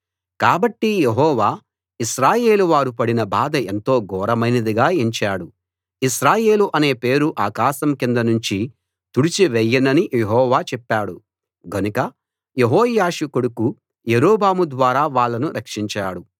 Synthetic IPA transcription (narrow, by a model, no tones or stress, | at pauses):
kaːbɐʈːijeɦɔːʋaː | iʃɾaːje̞ːluʋaːɾupɐɽinɐbaːd̪ɐe̞nt̪o̞ːɡɔːɾɐmɐjnɐd̪iɡaːiɲt͡ʃaːɽu | iʃɾaːje̞ːluʔɐne̞ːpe̞ːɾuʔaːkaːʃɐmkind̪ɐnuɲt͡ʃi | t̪uɽit͡ʃiʋejːɐnɐnijeɦɔːʋaːt͡ʃɛpːaːɽu | ɡɐnukɐ | jeɦɔːjaːʂukoɽuku | jeɾoːbaːmud̪ʋaːɾaːʋaːɭːɐnuɾʔɐkʂiɲt͡ʃaːɽu